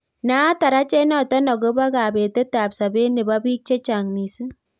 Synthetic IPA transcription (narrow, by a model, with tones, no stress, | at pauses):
na˦ta˨ɾa˦t͡ʃe˦nɔ˨tɔ˦nɔ˨ɡo˦ba˦ka˨be˨te˦ta˨psa˨be˦ne˨ba˦biː˦k̚t͡ʃe˦t͡ʃa˨ŋni˨sɨ˦